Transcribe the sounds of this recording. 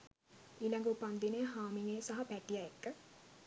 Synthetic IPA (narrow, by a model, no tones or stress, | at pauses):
iːlɐŋɡupand̪ineɦaːmiŋesaɦɐpæʈijɐekːə